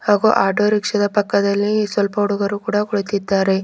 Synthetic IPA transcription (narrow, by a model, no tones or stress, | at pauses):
haːɡuʔaːʈoːɾikʂɐd̪ɐpɐkːɐd̪ɐlːisʋɐlpɐuɽuɡɐɾukuːɽɐɡuɭut̪id̪ːaːɾe̞